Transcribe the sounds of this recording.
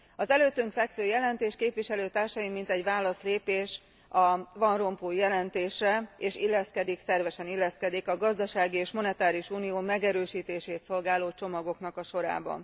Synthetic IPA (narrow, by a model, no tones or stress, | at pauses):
ɒzɛløːt̪ːyŋkfɛkføːjɛlɛnt̪eːʃkeːpʋiʃɛløːt̪aːrʃɒjimːint̪ɛɟʋaːlɒsleːpeːʃ | ɒvɒnro̞mpujɛlɛnt̪eːʃrɛeːʃilːɛskɛd̪iksɛrvɛʃɛnilːɛskɛd̪ikɒɡɒzd̪ɒʃaːɡieːʃmo̞nɛt̪aːɾiuʃuːnijoːmɛɡɛɾøːʃiːt̪eːʃeːt̪so̞lɡaːloːt͡ʃo̞mɒɡo̞knɒkɒʃo̞ɾa̰ːbɒ̰n